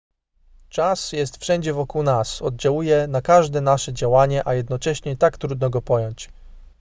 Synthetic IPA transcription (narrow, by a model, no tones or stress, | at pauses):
t͡ʂasjɛst̪fʂɛɲd͡ʑɛvɔkuwnasɔd̪̚d͡ʑawujɛnakaʐd̪ɛnaʂɛd͡ʑawaɲɛʔajɛd̪nɔt͡ʂɛɕɲɛt̪akt̪ɾud̪nɔɡɔpɔjɔɲt͡ɕ